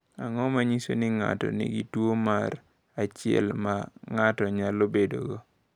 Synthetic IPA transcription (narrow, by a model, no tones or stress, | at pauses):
aŋɔmaɲisonɪŋa̰tɔ̰nḭɡitwomaɾ | at͡ʃɪɛ̰lmaŋatɔɲalobedo̰ɡo